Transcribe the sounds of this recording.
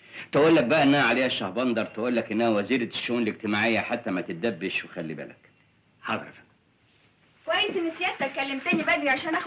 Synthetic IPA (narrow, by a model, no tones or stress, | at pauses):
t̪æʔuːlːæk̚bæʔæʔɪnːæhæʕaleːhæʃːɑhbɑnd̪ɑɾˤt̪æʔuːlːækʔɪnːæhæwæziːɾʃːoʔuːneleɡ̚t̪ɪmaʕejːæħat̪ːæmæt̪ɪt̪̚d̪æbːɪʃwexælːibæ̰læk | ħɑrˤɾɑ̰fæ | kwæjːɪsʔenːesɪjæːst̪ækːælːɪmt̪ælibæd̪iʕaʃæːnʔæx